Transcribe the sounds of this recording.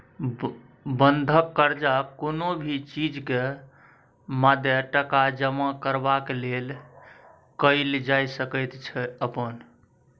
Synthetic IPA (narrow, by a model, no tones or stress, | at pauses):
bənd̪ʱəkːəɾd͡ʒakonobʱit͡ʃid͡ʒke | mad̪ʱjəʈəkad͡ʒəmakəɾbakelel | kəɪld͡ʒajsəkəjt̪t͡ʃʰɛəpən